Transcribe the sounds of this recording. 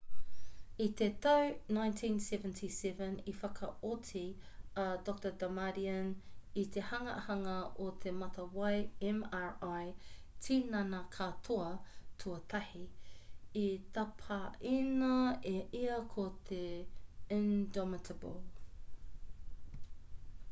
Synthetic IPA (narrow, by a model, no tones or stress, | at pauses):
it̪et̪ɐwnajntʰĩnsɛvəntʰisɛvə̃nifɐkʰɐʔotʰi | ɐdɔk̚t̪ədamaɾiɐnit̪ʰehɐŋɐʔhɐŋɐʔot̪ʰemɐt̪ɐwajɛmaɹaj | tʰinɐnakʰat̪ʰoɐtʰuɐt̪ʰɐhi | it̪ɐpʰɐʔinɐeʔiɐkʰot̪ʰeindɔmɪtʰəbəl